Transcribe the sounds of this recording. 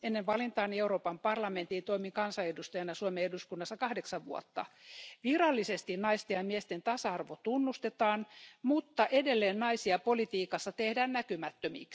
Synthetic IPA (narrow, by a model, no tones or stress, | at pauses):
enːeʋʋɑlint̪ɑːnieuroːpɑmpɑrlɑment̪int̪oimiŋkɑnsɑedust̪ɑjɑnɑsuomeeduskunːɑsːɑkɑhdeksɑʋʋuo̰t̪ːɑ̰ʋirɑlːisest̪innɑist̪ejɑmiest̪ent̪ɑsɑɑrʋot̪unːust̪et̪ɑːnmut̪ːɑʔedelːeːnnɑisiɑpolit̪iːkɑsːɑt̪ehdæːnnækymæt̪ːømḭk